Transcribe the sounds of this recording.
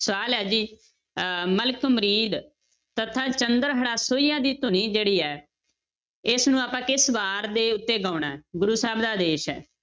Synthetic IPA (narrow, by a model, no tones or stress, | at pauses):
sʋaːlɛːd͡ʒiː | məlkəmɾiːd̪ | t̪ət̪ʰːãːt͡ʃənd̪əɾɦəɽaːsoːiːãːd̪iːt̪ʊniːd͡ʒeːɽiːɛː | ɪsnũːaːpãːkɪsbaːɾd̪eːʊt̪ːeːɡaːɳaːɛɡʊɾuːsaːbd̪aːd̪eːʃɛ̰ː